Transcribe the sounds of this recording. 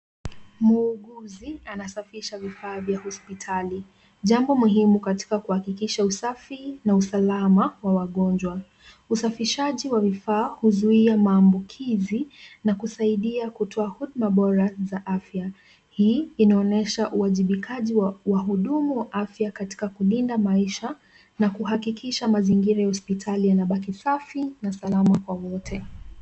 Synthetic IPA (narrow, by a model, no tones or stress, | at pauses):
muːɠuzianasafiʃavifaːvjahɔspitʰali | ʄambɔmuɦimukati̥kakuhakikiʃausafinausalamawawaɠɔnd͡ʒwa | usafiʃaʄiwavifaːhuzuiamaːmbukʰizinakusaiɗiakutʰɔahuɗmaɓɔɾazaʔafja | hiːinaɔnɛʃaʔuaʄiɓikʰaʄiwawaɦuɗumuwaʔafjakati̥kakulindamaiʃa | nakuhakikʰiʃamaziŋɡiɾajahɔspitʰalijanaɓak̬isafinasalamakwawɔtʰɛ